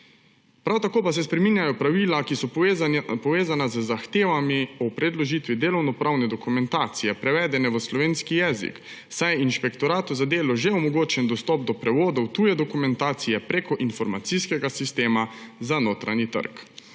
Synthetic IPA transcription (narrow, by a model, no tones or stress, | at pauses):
pɾawt̪akoːpasɛspɾɛminjajɔpɾaʋiːlakisɔpɔʋeːzanazəzaxt̪eːʋamiɔpɾɛd̪lɔʒiːt̪ʋid̪eːlɔwnɔpɾawnɛd̪ɔkumɛnt̪aːt̪sijɛpɾɛʋɛːd̪ɛnɛʋəslɔʋeːnskijɛːzḭk | sajinʃpɛkt̪ɔɾaːt̪ɔzad̪eːlɔʒeɔmɔɡoːt͡ʃɛnd̪ɔst̪ɔːp̚d̪ɔpɾɛʋoːd̪ɔwt̪uːjɛd̪ɔkumɛnt̪aːt̪sijɛpɾekɔʔinfɔɾmat̪siskɛɡasist̪eːmazanoːt̪ɾanjit̪ə̰ɾk